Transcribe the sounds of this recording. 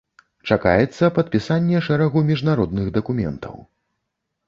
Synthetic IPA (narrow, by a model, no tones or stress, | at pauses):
t͡ʂaka̰jɛt̪sːɐpɐt̪̚pʲisanʲːɛʂɛɾɐɣumʲiʐnaɾɔd̪nɨɣd̪ɐkumʲɛ̰nt̪ʰɐ̰w